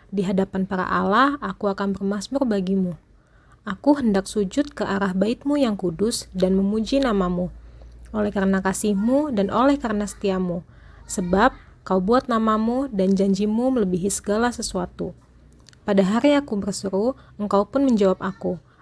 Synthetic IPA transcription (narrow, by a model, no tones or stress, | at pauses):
diɦadapanpaɾa̰ʔalahakuakanbərmasmʊrbaɡimu | ʔakuɦəndaksud͡ʒʊt̪̚kəʔaɾahbaɪt̪̚mujaŋkudʊsdanməmud͡ʒinamamuolɛhkaɾənakasɪhmudanʔolɛhkaɾənasə̥t̪iamu | səbap̚ | kaubuat̪̚namamudand͡ʒaɲd͡ʒimumələbiɦisə̥ɡalasəsuat̪u | padaɦaɾiakubərsəɾuəŋkaupʊnməɲd͡ʒawapaku